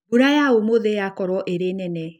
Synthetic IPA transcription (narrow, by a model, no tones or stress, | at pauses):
uɾajaomoðejakɔɾɔʔeɾenɛnɛ